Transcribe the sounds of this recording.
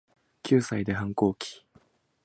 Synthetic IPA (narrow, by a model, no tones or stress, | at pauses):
kʲɨːsaid̪e̞ɦãŋko̞ːkʲi̥